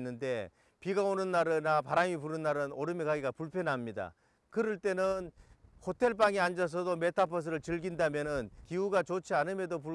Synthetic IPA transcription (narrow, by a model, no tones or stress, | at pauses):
nːɯnde̞ | piɡaonɯnːaɾɯnapaɾamip̬uɾɯnːaɾɯnoɾɯmekaɡiɡapuɭpʰjʌnɦamɲida̰ | kɯɾɯɭt͈e̞nɯnhotʰe̞ɭp͈aŋiand͡ʑʌs̬ʰʌdome̞tʰapʰʌs̬ʰɯɾɯɭt͡ɕɯɭɡindamjʌnɯnkiuɡat͡ɕot͡ɕʰianɯmjedop̬u